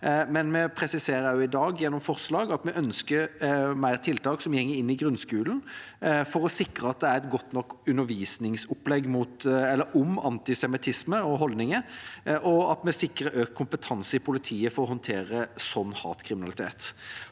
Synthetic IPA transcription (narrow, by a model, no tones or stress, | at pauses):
mɛnmɛpʰɾɛsɪseːɾəjʊɪd̪ɑːɡjɛnːɔmfɔʁslɑːɡɑt̪mɛʔœnskəɾmæɪʁt̪ʰɪlt̪ɑːksɔmjɛŋːəɾɪnːɪɡɾʉnskʉːlənfɔɾɔsɪkːʁəɑt̪̚d̪ɛæɾɛt̪ɡɔt̪ːnɔkːʉnːəɾʋiːsnɪŋsɔplɛɡːmuːt̪ɛlːəɾɔmɑ̰nt̪ɪsɛmɪt̪ʰɪsməɔɦɔld̪nɪŋəʔɔɑt̪mɛsɪkɾəʔøːkəkʰːʊmpət̪ʰɑnsəɪpʰʊlɪt̪ʰiːəfɔɾɔhɔnt̪ʰeːɾəsɔnːhɑ̰ːt̪kʰɾɪmɪnɑlɪt̪ʰḛːt̪